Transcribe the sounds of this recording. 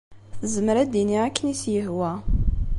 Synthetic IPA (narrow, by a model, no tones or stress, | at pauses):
θzəməɾæd̪iniækːənisjəhwæ